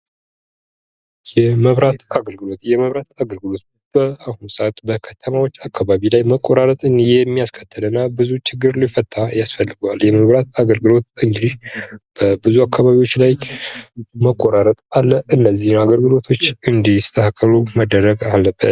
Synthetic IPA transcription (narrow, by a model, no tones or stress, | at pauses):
jɛməβɾat̪aɡəlɡɨlo̞t̪jɛməβɾat̪aɡəlɡɨlo̞t̪̚ | b̥əahunsat̪bəkʰət̪ʰəmawo̞t͡ʃːakʰːaβaβilajməkʼːo̞ɾaɾət̪ʼɨnjɛmːijaskʰət̪ʰːəlɨnːabɨzut͡ʃɪɡːɨɾlifət̪ʼːajasfəlːɨɡwaljɛməβɾat̪̚aɡəlɡɨlo̞t̪̚ɨnɡd̪ihb̥əbɨzuakʰːaβaβiwo̞t͡ʃːlaj | məkʼːoɾaɾət̪ʼalːəʔɨnːəzːihaɡəlɡɨlo̞t̪ʰo̞t͡ʃːɨnd̪ihsɨ̥t̪ʰəhakʼʰːəluməd̪əɾəɡalːəbːət̪